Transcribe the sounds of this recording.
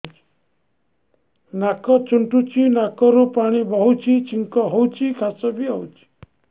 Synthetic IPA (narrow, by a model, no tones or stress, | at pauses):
t͡ʃi̥ | nakɔt͡ʃuɳʈut͡ʃʰinakɔɾupaɽ̃ibɔɦut͡ʃʰit͡ʃʰiŋkɔɦɔwt͡ʃʰikʰasɔbiɦɔwt͡ʃʰi̥